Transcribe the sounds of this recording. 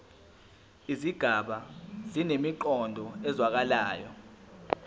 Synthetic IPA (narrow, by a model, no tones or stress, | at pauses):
iziɡ̥ʱaɓazinemiǃɔndʱɔɛzwak̬alaːjɔ